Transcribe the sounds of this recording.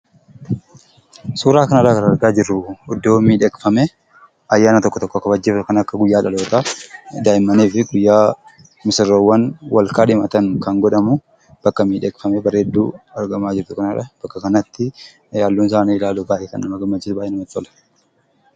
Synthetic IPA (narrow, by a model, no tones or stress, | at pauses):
suːɾaːkɐnɐɾakɐɾɐɾɡaːd͡ʒɪɾːʊʊd̪ːoːmiːᶑɛkfɐmɛ | ɐjːaːnɐt̪ɔkːɔt̪ɔkːɔkɐbɐd͡ʒːeːfɐkɐnɐkːɐɡʊjːaːᶑɐlo̞ːt̪aːd̪aːʔɪmːɐniːfɪɡʊjːaː | mɪsɪrːoːwːɐnwɐlkaːᶑɪmɐt̪ɐŋkɐŋɡɔᶑɐmʊ | b̥ɐkːɐmiːᶑɛkfɐmɛbɐɾeːd̪ːṵːɐɾɡɐmaːd͡ʒɪɾt̪ʊkɐnɐᶑɐb̥ɐkːɐkɐnɐt̪ːɪ | jaːlːuːns̬aːniɪlaːlʊbaːʔɛːkɐ̰nːɐmɐɡɐmːɐd͡ʒɪɾʊbaːjɛnɐmɐt̪ːɐlɐ̥